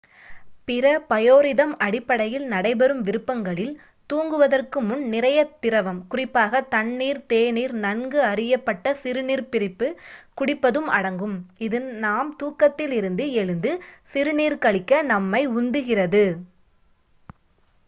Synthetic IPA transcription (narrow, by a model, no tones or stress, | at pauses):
pɪɾɐpɐjoːɾɪðɐmɐɽɪpːɐɽɐjɪlnɐɽɐɪbɛɾɯmʋɪɾɯpːɐŋɡɐɭɪl | t̪uːŋɡɯʋɐðɐrkɯmʊnnɪɾɐjɐt̪ːɪɾɐʋɐmkʊrɪpːaːɣɐt̪ɐɳːiːɾt̪eːniːɾnɐɳɡɯɐrɪjɐpːɐʈːɐsɪɾɯniːɾpɪɾɪpːɯkʊɽɪpːɐðɯmʔɐ̰ɽɐŋɡɯmɪðɯnaːmt̪uːkːɐt̪ːɪlɪɾɯnd̪ɯɛɻɯnd̪ɯsɪɾɯniːɾkɐɭɪkːɐnɐmːɐɪʊnd̪ɯɣɪrɐðɯ